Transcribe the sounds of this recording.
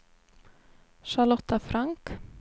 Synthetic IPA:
ʃalɔht̪ːafɾaŋk

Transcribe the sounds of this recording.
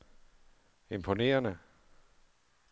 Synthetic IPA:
e̝mpʰo̝ne̝̰ːɐnə

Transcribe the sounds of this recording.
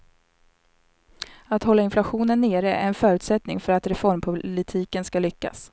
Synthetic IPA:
at̪hɔlːaɪnflaɧuːnənːeːɾəɛ̰ɛnfœːɾʉ̟ːt̪sɛt̪nɪ̰ŋfœɾat̪ɾɛfɔɾmpʰʊlɪt̪ʰiːkənskalʏkːa̰s

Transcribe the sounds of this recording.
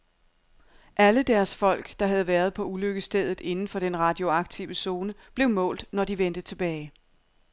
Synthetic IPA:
ʔæləd̥æɐsfɒ̽l̰ɡ̥d̥ɑ̈ɦæð̞ˠʋæːɐð̞ˠpʰɒ̽uløɡ̥əsd̥eð̞ˠð̩ˠe̝nn̩fɒ̽ɾ̥enʁɑ̈d̥jo̝ɑ̈ɡ̥̚t͡sʰiʊəso̝ːnəb̥le̝ʊmɔ̰̽ːld̥nɒdiʋend̥ət͡sʰe̝b̥ɛːɪ

